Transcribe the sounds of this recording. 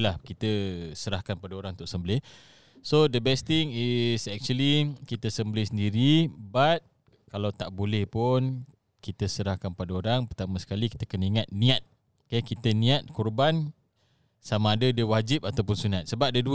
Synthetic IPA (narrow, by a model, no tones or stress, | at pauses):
lahkit̪əsəɾahkanpadaoɾãŋunt̪ʊʔ̚səmbəlɪh | sodəbɛst̪ɪŋisɛk̚t͡ʃuəlikit̪əsəmbəlɪhsəndiɾibat̪̚ | kalawt̪aʔbolɛhpʊn | kit̪əsəɾahkanpadaoɾaŋpərt̪amasə̥kaliki̥t̪əkəniŋat̪̚nĩat̪̚ | kɛkit̪ənĩat̪̚kurban | samãːdadəwad͡ʒip̚at̪awpʊnsunat̪̚səbap̚dəduə